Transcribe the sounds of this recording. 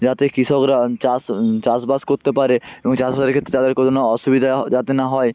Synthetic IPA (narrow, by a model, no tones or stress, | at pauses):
d͡ʑat̪ekɾiʃokɾat͡ɕast͡ɕasbaskoɾt̪epaɾeeboŋt͡ɕasbaseɾkʰet̪ːɾet̪ad̪eɾkot̪onaɔʃubid̪ʱad͡ʑat̪enaɦɔe